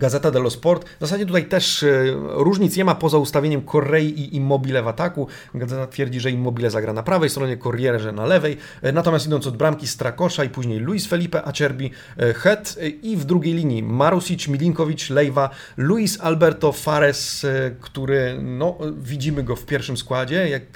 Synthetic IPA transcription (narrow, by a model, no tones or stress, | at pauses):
ɡazɛt̪ad̪ɛlɔspɔɾt̪vzasad͡ʑɛt̪ut̪ajt̪ɛʂ | ɾuʐɲit̪sɲɛmapɔzaust̪avʲeɲɛmkʰɔrːɛjiʔiʔimːɔbʲilɛvat̪aku | ɡazɛt̪at̪fʲjɛɾd͡ʑiʐɛimːɔbʲilɛzaɡɾanapɾavɛjst̪ɾɔɲɛkɔɾjɛʐɛnalɛvɛj | nat̪ɔmʲjast̪id̪ɔnt̪ɔd̪̚bɾamkʲist̪ɾakɔʂaipuʑɲejluisfɛlʲipɛʔat͡ɕɛɾbʲi | xɛt̪ivd̪ɾuɡʲejlʲiɲimaɾusit͡ʂmʲilʲiŋkɔvʲit͡ʂlɛjva | luisalbɛɾt̪ɔfaɾɛskt̪uɾɘnɔvʲid͡ʑimɘɡɔfpʲjɛɾfʂɘmskwad͡ʑɛjak̚